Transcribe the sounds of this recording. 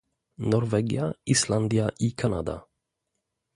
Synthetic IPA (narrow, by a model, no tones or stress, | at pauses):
nɔɾvɛɡɪ̰aɪsland̪ɪaʔiːkʰana̰d̪a̰